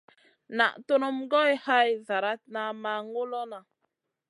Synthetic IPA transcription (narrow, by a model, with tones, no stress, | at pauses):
na˨ʔto˦no˦mɡɔ˦jha˦jza˨ɾa˦t̚na˨ma˨ŋo˦lɔ˦na˨